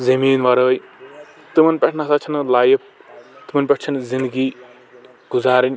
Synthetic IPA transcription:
zɐmiːnʋɐɾəːj | t̪ɨmɐnpʲɛʈʰnasat͡ʃʰɐnlaːjɐp̚t̪imɐnʲpʲeʈʰt͡ʃʰɐnzind̪ɨɡi | ɡ̥uzaːɾinʲ

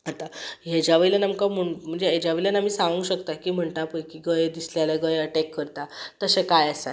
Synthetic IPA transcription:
at̪ajed͡ʑjaʋəɭilənamkaməɳm̤əɳd͡zeɦed͡ʑaʋeɭilənam̤iːsãʋəŋɡɕəkt̪akiːm̤əɳt̪apəjkiɡəjd̪isljalaɡəjəʈɛkːəɾt̪at̪əsẽkajəsa

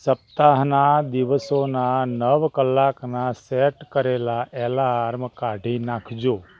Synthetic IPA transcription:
səp̚t̪aɦnad̪iʋəsonanəʋkəlːaknasɛʈkəɾelaʔɛlaːɾmkaɖʱinãkʰd͡ʒo

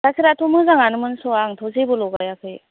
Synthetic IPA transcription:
sasʰiɾatʰomɯzaŋanɯmɯnsɔaŋtʰɔzebɔlɔɡajakʰɯj

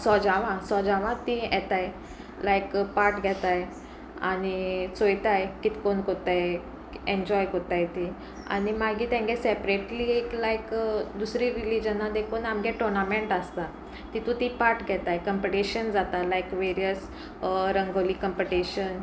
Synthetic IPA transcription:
sɔd͡ʑaʋãsɔd͡ʑaʋãt̪iɛt̪aj | lajkpaɾʈɡʱɛt̪aj | a̰ñit͡sojt̪ajkit̪i̥konkot̪aj | ẽɲd͡ʑɔjkot̪ajt̪i | a̰ñimaɡiːt̪ãŋɡɛsɛpɾeʈliːeklajkd̪usɾiɾilid͡ʑənːad̪ekʰuːnamɡɛʈɔɾnamẽɳʈast̪a | t̪it̪ũt̪ipaɾʈɡʱɛt̪ajkəmpiʈiɕənd͡zat̪alajkʋeɾijəs | ɾəŋɡolikəmpiʈiɕən

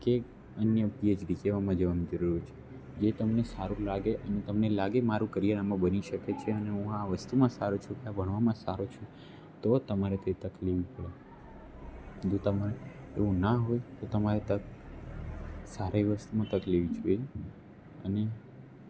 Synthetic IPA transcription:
ke | ənjəpied͡ʒɖikeʋamãd͡ʒəʋanid͡ʒəɾuɾt͡ʃʰe̥ | d͡ʒet̪əmnesaɾũlaɡeʔənet̪əmnelaɡemaɾũkəɾijənamãbəniʃəket͡ʃʰeəneɦũaʋəst̪umãsaɾot͡ʃʰũkeabʱəɳ̃ʋamãsaɾot͡ʃʰũ | t̪ot̪əmaɾet̪et̪əkliʋipəɽe | d̪ut̪amãne | eʋũnaɦojt̪ot̪əmaɾet̪ə | saɾeʋəst̪umãt̪əkliʋit͡ʃʰue | əne

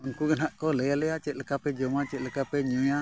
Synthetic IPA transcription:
unkuɡənɦaʔkɔləjaləjat͡ʃɛʔləkapɛd͡ʒomat͡ʃɛʔləkapɛɲuja

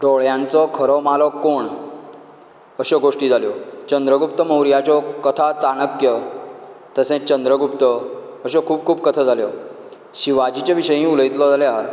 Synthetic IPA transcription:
ɖoɭjãnt͡sɔkʰəɾɔmalɔkːoɳ | əɕɔɡoʂʈiːd͡zʱaljɔt͡ɕənd̪ɾəɡupt̪əməwɾjat͡ɕɔkət̪ʰat͡sanəkjə | t̪əsẽt͡ɕənd̪ɾəɡupt̪ə | əɕɔkʰuːb̚kʰuːbkət̪ʰəd͡zʱaljɔ | ɕiʋad͡ʑit͡ɕaʋiɕəjɦĩuləit̪lɔd͡zaleɦaɾ

